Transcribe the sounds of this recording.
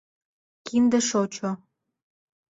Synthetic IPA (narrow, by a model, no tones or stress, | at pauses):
kind̪ə̆ʃot͡ɕo